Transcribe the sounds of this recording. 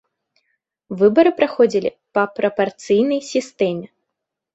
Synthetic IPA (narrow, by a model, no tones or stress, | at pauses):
vɨbɐɾɨpɾaxɔd͡zʲilʲḭ | pɐpɾɐpart̪sɨjnɐjsʲist̪ɛmʲɛ